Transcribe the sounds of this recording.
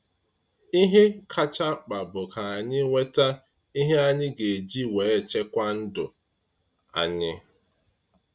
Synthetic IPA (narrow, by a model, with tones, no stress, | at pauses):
i˦ɦe˦kʰa˦t͡ʃa˦k͡pa˨bʊ˨ka˨a˨ɲɪ˦ŋʷe˦ta˦ | i˦ɦe˦a˦ɲɪ˦ɡe˨e˨d͡ʒi˦we˨e˦t͡ʃe˦kʷa˦n̩˦dʊ̰˨ | a̰˨ɲɪ˦